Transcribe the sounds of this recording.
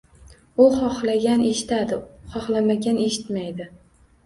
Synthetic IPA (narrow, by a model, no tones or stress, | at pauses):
ʊχɒχlaɡʲane̞ʃɪ̥t̪ad̪ɪχɒχlamaɡʲane̞ʃɪt̪majd̪ɪ